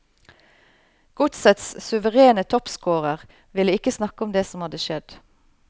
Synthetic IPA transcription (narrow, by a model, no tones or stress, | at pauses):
ɡ̥ʊt̪sət̪ssʉʋəʁeːnət̪ʰɔpskoːʁəʁ | ʋɪləɪkəsnɑkəʊmd̪eːsɔmhɑd̪əʃɛd̪